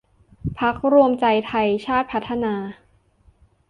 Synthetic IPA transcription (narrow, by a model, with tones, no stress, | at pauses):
pʰa˦˥k̚ɾu˧əmt͡ɕa˧jt̪ʰa˧jt͡ɕʰaː˥˩t̪̚pʰa˦˥t̪ʰːa˧naː˧